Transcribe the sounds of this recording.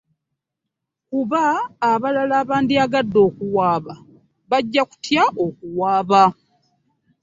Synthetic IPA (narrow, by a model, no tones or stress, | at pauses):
kuβaːβalalaːβaːndiaɡadːo̞ːkuwaːβa | βaɟːaku̥tʰjaʔo̞k̚uwaːβa